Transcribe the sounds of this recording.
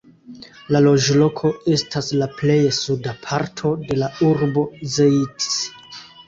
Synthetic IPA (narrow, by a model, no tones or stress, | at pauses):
lalo̞d͡ʒlo̞kʰo̞e̞staslaple̞jesudapʰaɾtʰo̞de̞lauɾbo̞zejts